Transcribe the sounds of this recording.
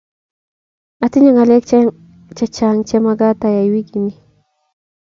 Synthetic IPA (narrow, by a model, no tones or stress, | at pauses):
atiɲaŋalɛkt͡ʃ | t͡ʃet͡ʃaŋt͡ʃɛmaɡat̪ajajwiɡini